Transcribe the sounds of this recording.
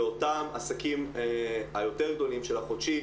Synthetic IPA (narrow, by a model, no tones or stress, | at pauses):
o̞tamasakim | ajo̞t̪e̞ʁɡd̪o̞limʃelaχodʃi